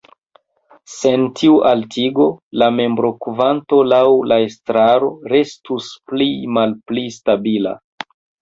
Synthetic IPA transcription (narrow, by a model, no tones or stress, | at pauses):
se̞ntʰiuʔaltʰiɡo̞lame̞mbɾo̞kuvanto̞lawlaestɾaɾo̞ɾe̞stusplimalplistabila̰